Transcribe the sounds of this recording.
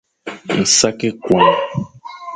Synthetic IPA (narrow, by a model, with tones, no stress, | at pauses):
ŋ̩˨sa˦ke˦kwã˨ŋ